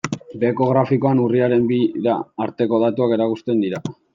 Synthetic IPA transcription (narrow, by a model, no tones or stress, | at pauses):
be̞ːko̞ɣ̞ɾafiko̞anuriaɾe̞mbiða̰ːɾt̪e̞ko̞ð̞at̪uake̞ɾakust̪e̞nd̪iɾa